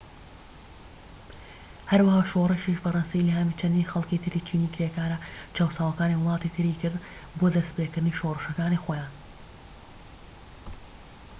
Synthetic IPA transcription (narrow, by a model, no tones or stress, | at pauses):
hɐɾwahaːʃoːrɨʃiʃbɐrˤɑnsejlɐhamit͡ʃʰɐnd̪iːnxɐlˠkit̪ʰɨɾiːt͡ʃʰiːniːkʰɾekaːɾɐt͡ʃʰaːwsaːwɐkaːniwʊlˠɑːt̪it̪ʰɨɾiːkʰɨɾd̪ | boːd̪ɐspeːkɨɾd̪ɨniːʃorˤɨʃɐkaːnixoːjaːn